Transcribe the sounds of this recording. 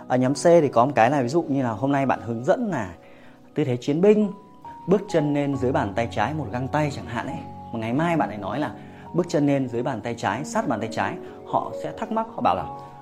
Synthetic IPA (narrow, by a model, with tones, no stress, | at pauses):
ʔəː˨˩ɲɔ˨˦mse˧ɗ̪e˨˩kɔ˨˦mo˨˩kaː˨˦jlaː˨˩vi˨˦zṵ˧˨ɲɨ˧laː˨˩ɦo˧mna˧jɓa̰ː˧˨nhɨ˨˦əŋzə̰˧˥nlaː˨˩ | t̪ɨ˨˧˩t̪ʰe˨˦t͡ɕi˨˦ənɓï˧ŋ̟ | ɓɨ˦˥ək̚t͡ɕə˧nːe˧nzɨ˨˦əjɓaː˨˩nt̪a˧jt͡ɕaː˨˦jmo˨˩t̚ɣa˧ŋt̪a˧jt͡ɕaː˧˨˩ŋɦa̰ː˧˨nʔə˨˦jmo˨˩ŋa˨˩jmaː˧jɓa̰ː˧˨nʔə˨˩nɔ˨˦jlaː˨˩ | ɓɨ˦˥ək̚t͡ɕə˧nːe˧nzɨ˨˦əjɓaː˨˩nt̪a˧jt͡ɕaː˨˦jsaː˦˥t̚ɓaː˨˩nt̪a˧jt͡ɕaː˨˦j | hɔ̰˧˨sɛ̰˧˥t̪ʰa˦˥k̚ma˦˥t̚hɔ̰˧˨ɓa̰ː˧˨wlaː˨˩